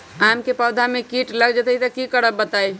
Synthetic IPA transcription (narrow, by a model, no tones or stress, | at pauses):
amkepəd̪ʱamekiʈləɡd͡ʒət̪əit̪əkikəɾəbbət̪ai